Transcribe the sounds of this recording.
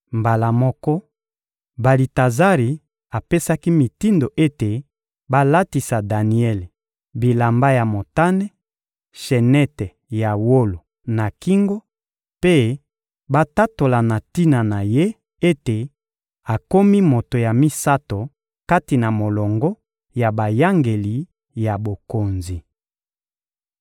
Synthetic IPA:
mba˨la˨mɔ˦kɔ˦ | ba˨li˨ta˨za˦ʁi˨ | a˨pe˦sa˦ki˦mi˨ti˦ndo˨ʔe˦te˨ | ba˦la˦ti˨sa˨da˨ni˨ɛ˦le˨ | bi˨la˨mba˦ja˨mo˨ta˦nɛ˦ | ʃe˨nɛ˦tɛ˨ | ja˨wo˦lo˨ | na˨ki˦ŋɡo˦ | pe˦ | ba˦ta˦to˨la˨na˨ti˦na˨na˨je˦ | e˦te˨ | a˨ko˦mi˦mo˨to˨ja˨mi˦sa˦to˨ | ka˦ti˨na˨mo˨lɔ˨ŋɡɔ˦ | ja˨ba˨ja˦ŋɡe˨li˨ | ja˨bo˨ko˨nzi˨

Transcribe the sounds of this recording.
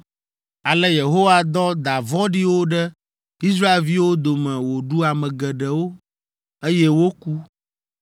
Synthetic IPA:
a˨lɛ˦je˨ɦo˦wa˦d̪ɔ˦d̪a˨vɔ˦ɖi˦wo˦ɖɛ˦ | i˦s̬ɾa˦e˦lvi˦wo˦d̪o˨mɛ̃˨wo˨ɖu˦a˨mɛ̃˨ɡɛ˨ɖɛ˨wo˦ | e˦jɛ˦wo˦ku˦

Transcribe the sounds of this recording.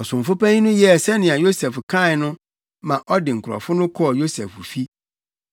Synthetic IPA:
ɔ˨sʊ̃˨ɱ̩˨fʊ˦pæ̃˦ɲĩ˦nʊ̃˦jɛ˦˨sɛ˦nɪ̃˨a˨jo˦sɛ˨fkʰã˦˨nʊ̃˦ | mã˨ʔɔ˦dɪ˨ŋ̩˨kʰʊ˨ɾɔ̰˨fʊ˦nʊ̃˦kʰɔ˦˨jo˦sɛ˨fu˨fi˦

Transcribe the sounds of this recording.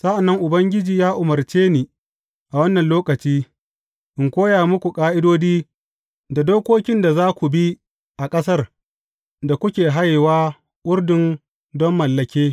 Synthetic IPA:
sa˦ʔa˨nːɐ˦ŋʔʊ˨bɐ˦ŋɡʲɪ˦d͡ʒiː˨jaː˦ʔʊ˨mɐ˨rt͡ʃeː˦niː˨ | ʔa˨wɐ˦nːɐ˨nloː˦kɐ˨t͡ʃiː˦ | ʔɪ˨ŋkʷoː˦jaː˨mʊ˦kʷu˨kʼaː˦ʔɪ˦doː˦diː˦ | da˨doː˦kʷoː˦kʲɪ˦nda˨zaː˦kʷu˨bi˦ | ʔa˨kʼɐ˦sɐ˦r | da˨kʷʊ˦kʲeː˨ɦa˦jwaː˦ | wʊ˦rdɪ˨n | dɔ˦mːɐ˨lːɐ˨kʲeː˦

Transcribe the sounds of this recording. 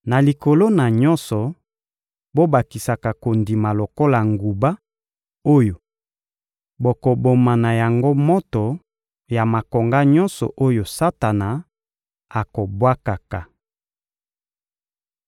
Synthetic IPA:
na˨li˨ko˨lo˦na˨ɲɔ˦nsɔ˨ | bo˦ba˨ki˨sa˨ka˨ko˨ndi˨ma˨lo˨ko˦la˨ŋɡu˨ba˦ | o˦jo˨ | bo˨ko˨bo˨ma˨na˨ja˨ŋɡo˦mo˦tɔ˨ | ja˨ma˨ko˨ŋɡa˦ɲɔ̃˦nsɔ̰˨ʔo˦jo˨sa˦ta˨na˨ | a˨ko˨bwa˦ka˨ka˨

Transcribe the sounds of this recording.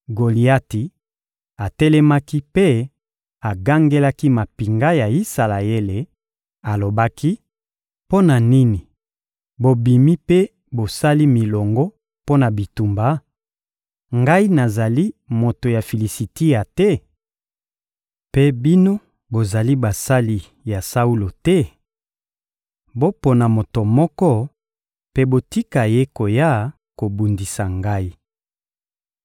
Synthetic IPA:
ɡo˨li˨a˦ti˨ | a˨tɛ˦lɛ˦ma˦ki˦pe˦ | a˨ɡa˦ŋɡe˦la˦ki˦ma˨pi˨ŋɡa˦ja˨i˦sa˨la˨e˦le˨ | a˨lo˨ba˦ki˦ | po˦na˨ni˦ni˨ | bo˨bi˨mi˦pe˦ | bo˨sa˦li˦mi˨lɔ˨ŋɡɔ˦ | po˦na˨bi˨tu˨mba˦ | ŋɡa˦i˦na˨za˨li˦mo˨to˨ja˨fi˨li˨si˨ti˦ja˨tɛ˦ | pe˦bi˦no˦ | bo˨za˨li˦ba˨sa˦li˨ | ja˨sa˦u˦lo˨tɛ˦ | bo˦po˨na˨mo˨to˨mɔ˦kɔ˦ | pe˦bo˨ti˦ka˨je˦ko˨ja˦˨ | ko˨bu˨ndi˨sa˨ŋɡa˦i˦

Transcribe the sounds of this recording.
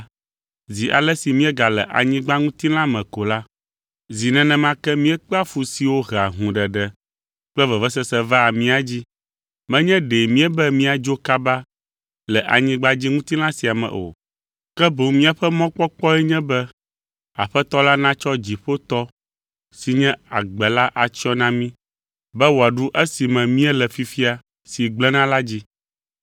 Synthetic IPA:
zi˨ʔa̰˨lɛ˦si˨mĩ˦ɛ˦ɡa˨lɛ˨ʔa̰˨ɲĩ˦ɡ͡ba˦ŋũ˦t̪i˦lã˦mɛ̃˨ko˨la˦ | zi˨nɛ̃˨nɛ̃˨mã˦kɛ˦mĩ˦ɛ˦k͡pa˦fu˨si˨wo˦ɣɛ˨a˨ɦũ˨ɖɛ˨ɖɛ˨ | k͡pɛ˦vɛ˨vɛ˦s̬ɛ˦sɛ˦va˦˨mĩ˦a˨d͡ʑi˦ | mɛ̃˦ɲɛ̃˦ɖe˨mĩ˦ɛ˦bɛ˦mĩ˦a˨d͡ʒo˦ka˦ba˦ | lɛ˨ʔa̰˨ɲĩ˦ɡ͡ba˦d͡ʑi˦ŋũ˦t̪i˦lã˦si˨a˨mɛ̰̃˨ʔo̰˨ | kɛ˦bo˨ŋmĩ˦a˨ɸɛ˦mɔ̃˦k͡pɔ˦k͡pɔ˦ɛ˦ɲɛ̃˦bɛ˦ | a̰˨ɸɛ˦t̪ɔ˦la˦nã˦t͡ʃɔ˦d͡ʑi˨ɸo˦t̪ɔ˦ | si˨ɲɛ̃˦a˨ɡ͡bɛ˨la˦ʔa˨t͡ɕi˦ɔ˦nã˦mĩ˦ | bɛ˦wo˨a˨ɖu˦ʔɛ˦si˨mɛ̃˨mĩ˦ɛ˦lɛ˨fi˨fi˦a˨ | si˨ɡ͡blɛ˦nã˦la˦d͡ʑi˦

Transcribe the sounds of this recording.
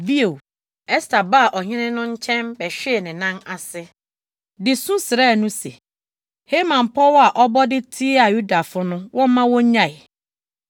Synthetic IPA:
vi˦o˨w | ɛ˦stʰa˨ba˦˨ʔɔ˨ɲɪ̃˦nɪ̃˦nʊ̃˦ɲ̩˦t͡ɕʰɛ̃˦mbɛ˨ɕᶣɛ˦e˨nɪ̃˨nã˦na˨sɪ˦ | dɪ˨sũ˦sɪ˨ɾɛ˦˨nũ˦se˨ | he˦mã˨m̩˨pʰɔ˦wa˨ʔɔ˦bɔ˦dɪ˦tʰi˦a˨ju˦da˨fʊ˦nʊ̃˦wɔ̃˦m˦mã˦wɔ̃˦ɲã˦˨ɪ˨

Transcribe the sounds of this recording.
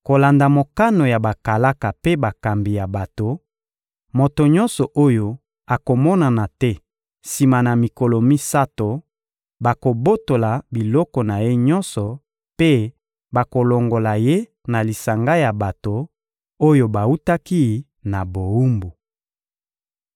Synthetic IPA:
ko˨la˨nda˨mo˨ka˦no˨ja˨ba˨ka˨la˦ka˨pe˦ba˨ka˨mbi˨ja˨ba˨to˨ | mo˨to˨ɲɔ̃˦nsɔ˨ʔo˦jo˦ | a˨ko˨mɔ˦na˨na˨tɛ˦ | si˨ma˨na˨mi˨kɔ˨lɔ˨mi˦sa˦to˨ | ba˨ko˨bo˦to˨la˨bi˨lɔ˦kɔ˨na˨je˦ɲɔ˦nsɔ˨ | pe˦ | ba˨ko˨lo˨ŋɡo˨la˨je˦ | na˨li˨sa˨ŋɡa˦ja˨ba˨to˨ | o˦jo˦ba˨u˦ta˦ki˦˨ | na˨bo˨u˦mbu˨

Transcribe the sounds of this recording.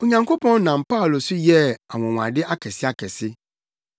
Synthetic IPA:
o˨ɲã˨ŋkʰo˦pʰɔ̃˦n˦nã˨m˨pa˦˨lo˨sʊ˦jɛ˦a˨wɔ̃˨w̃a̰˨dɪ˦ʔa˦kʰɛ˨sɪ˦a˦kʰɛ˨sɪ˦

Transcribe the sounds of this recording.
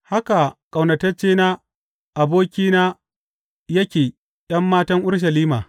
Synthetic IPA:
ha˦ka˨kʼa˨wnɐ˨tɐ˦t͡ʃːeː˦naː˦ | ʔa˨boː˦kʲiː˦naː˦ | jɐ˦kʲeː˨ | j̰ɐ˦mːaː˦tɐ˦ŋʔʊ˦ɽʃ̬ɐ˨liː˦maː˨

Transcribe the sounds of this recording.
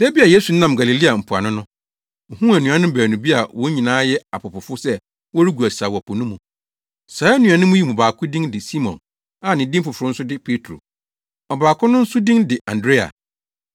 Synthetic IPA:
sɛ˦bi˦a˨je˦su˨˦nã˦˨m˨ɡa˨li˨li˦a˨m̩˨pʰʊ˨a˨nʊ̃˦nʊ̃˦˨ | hũ˦æ˨nũ˨ã˦nʊ̃˦bæː˨nũ˨bi˦a˨wɔ̃˦ɲĩ˨nãː˦jɛ˦a˨pʰʊ˨pʊ˨fʊ˦sɛ˦ | wɔ˦ɾi˦ɡu˨æ˨sa˨wɔ˨pʰʊ˨nʊ̃˦mũ˨ | saː˨˦nũ˨a˨nʊ̃˦mũ˦ji˦mũ˨baː˨kʰʊ˦dĩ˦ŋdɪ˨si˦mɔ̰̃˨n | a˨nɪ̃˨˦dĩ˦m˦fʊ˨fʊ˨ɾʊ˦n̩˦sʊ˦dɪ˦pʰe˦tʰɾo̰˨ | ɔ˨baː˨kʰʊ˦nʊ̃˦n̩˦sʊ˦dĩ˦ŋdɪ˨ʔã˨ndɾe˦a̰˨

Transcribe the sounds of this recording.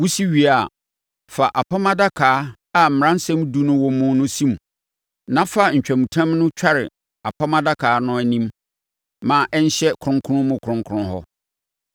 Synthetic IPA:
wu˦si˦ɥi˨a˨ | fa˨ʔa˨pʰa˦mã˦da˦kʰaː˨˦ | a˨m̩˨m̃˨ã˦n˦sɛ̃˦mdu˦nʊ̃˦wɔ˨˦mʊ̃˦nʊ̃˦sĩ˦m˨ | nã˦fa˦˨ɲ̩˨t͡ɕᶣæ˨mũ˨tʰã˦mnʊ̃˦t͡ɕᶣʰa˦ɾɪ̰˨ | a˨pʰa˦mã˦da˦kʰaː˨˦nʊ̃˦æ˨nĩ˦m | mːã˨ʔɛ˦n̩˦ɕɛ˦kʰɾʊ̃˦ŋkʰʊ˦nʊ̃˦mʊ̃˨kʰʊ˨ɾʊ̃˦ŋkʰʊ˦ɾʊ̃˦hɔ̰˦

